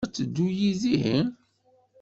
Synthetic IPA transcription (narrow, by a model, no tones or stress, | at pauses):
t͡sːəd̪ːujiziɦən